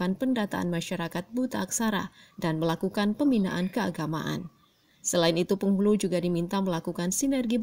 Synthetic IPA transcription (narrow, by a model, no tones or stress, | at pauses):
anpəndat̪a̰a̰nmaʃaɾakat̪̚but̪aːksaɾa̰danməlakukanpəmina̰ʔankəaɡama̰ʔa̰n | səlaɪnit̪upəŋhulud͡ʒuɡadimint̪aməlakukansinɛrɡib